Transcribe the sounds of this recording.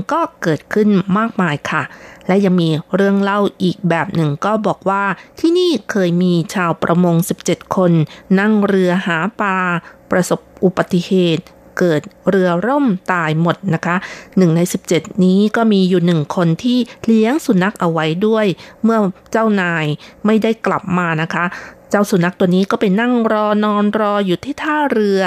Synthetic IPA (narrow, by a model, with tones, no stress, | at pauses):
ŋkɔː˥˩kɤː˨˩t̪̚kʰɯ˥˩nmaː˥˩k̚maː˧jkʰa˥˩lɛ˦˥ja˧ŋmiː˧ɾɯ˥˩əŋla˥˩wʔiː˨˩k̚bɛː˨˩p̚nɯ˨˩ŋkɔː˥˩bɔː˨˩k̚waː˥˩t̪ʰiː˥˩niː˥˩kʰɤː˧jmiː˧t͡ɕʰaː˧wpɾʔa˧mo˧ŋsi˨˩p̚t͡ɕe˨˩t̪̚kʰo˧nːa˥˩ŋɾɯ˧ɐhaː˩˦paː˧pɾa˧so˨˩p̚ʔu˨˩ba˨˧˩t̪ːi˧˩heː˨˩t̪̚ | kɤː˨˩t̪̚ɾɯ˧ɐɾo˥˩mt̪aː˧jmo˨˩t̪̚na˦˥kʰa˦˥ʔnɯ˨˩ŋna˧jsi˨˩p̚t͡ɕe˨˩t̪̚niː˦˥kɔː˥˩miː˧juː˨˩nɯ˨˩ŋkʰo˧nt̪ʰiː˥˩li˦˥əŋsu˨˩˦na˦˥k̚ʔa˧wa˦˥jdu˥˩əjmɯ˥˩ɐt͡ɕa˥˩wnaː˧jma˥˩jda˥˩jkla̰˨˩p̚maː˧na˦˥kʰa˦˥ʔt͡ɕaː˥˩wsu˨˩˦na˦˥k̚t̪u˧əniː˦˥kɔː˥˩pa˧jna˥˩ŋɾɔː˧nɔː˧nɾɔː˧juː˨˩t̪ʰiː˥˩t̪ʰaː˥˩ɾɯ˧ɐ